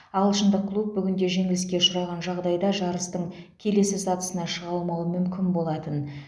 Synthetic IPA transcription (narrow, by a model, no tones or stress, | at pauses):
ɑlˠʃənd̪əqʰːlˠup̚bʏɡʲɪnd̪e̞ʒe̞ŋɪlɪskʲe̞ʃʊɾɑʁɑnʒɑʁd̪ɑjd̪ɑʒɑɾəst̪əɴkʲʰe̞le̞sɪsɑt̪ə̥sənɑʃəʁɑlˠmɑwəmʏmkʲɪnbo̞lˠɑt̪ən